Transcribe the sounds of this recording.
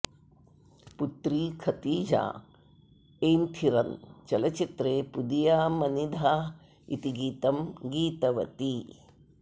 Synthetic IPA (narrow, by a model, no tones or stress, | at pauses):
put̪ɾiːkʰɐt̪iːd͡ʒa̰ː | eːnt̪ʰiɾɐnt͡ʃɐlɐt͡ʃit̪ɾeːpud̪ijaːmɐnid̪ʱaː | ḭt̪iɡiːt̪ɐmɡiːt̪ɐʋɐ̰t̪i